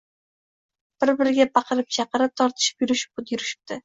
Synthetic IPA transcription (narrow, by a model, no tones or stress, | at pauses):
b̥ɪɾbɪɾɪɡʲapʰɑqʰɨɾɪp̚t͡ʃʰɑqɨɾɪp̚t̪ʰɒɾt̪ʰɪ̥ʃɪ̥pjʊɾɪʃɪ̥p̚ʊd̪jʊɾɪʃɪ̥p̚t̪ɪ